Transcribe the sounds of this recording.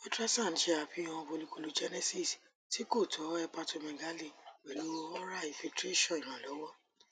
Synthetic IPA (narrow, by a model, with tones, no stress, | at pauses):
mi˦tɾa˦sã˦˨n̩˨˦ʃe˧a˨fi˨˦ɔ̃˧fo˧lu˧ko˧lu˧d͡ʒɛ˦nɛ˦si˦˨s | ti˨˦ko˦˨tʰɔ˨˦ɛ˧pa˧to˧mɛ̃˨ɡa˨˦li˦˨wɛ˨lu˨˦o˧ɔ˦ɾa˦˨i˧fi˧ltɾe˦ʃɔ̃˦˨ĩ˨ɾ̃ã˨lɔ˨˦wɔ˦